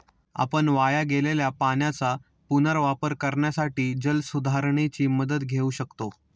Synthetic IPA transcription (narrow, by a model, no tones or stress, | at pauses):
a̰pəɳʋajaɡeleljapaɳjat͡sa | punəɾʋapəɾkəɾɳjasaʈiːd͡ʑəlsud̪ʱaɾɳet͡ɕiːməd̪əd̪ɡʱeuːɕəkt̪o